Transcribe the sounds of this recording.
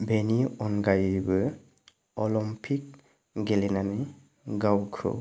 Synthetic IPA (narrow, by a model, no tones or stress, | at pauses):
beniɔnɡajbɯ | ɔlɔmpʰik̚ | ɡelenane | ɡawkʰɔ̰